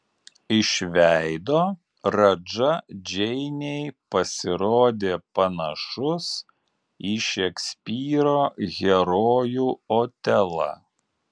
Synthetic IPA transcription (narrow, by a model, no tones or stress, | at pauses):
ɪʃʲʋʲæɪd̪oː | ɾɐd͡ʒɐd͡ʒʲɛɪnʲɛɪpɐsʲɪɾoːd̪ʲeːpɐnɐʃʊs | iːʃʲɛksʲpʲiːɾoːɣʲɛɾoːjuːoːt̪ʲɛlˠɐ̰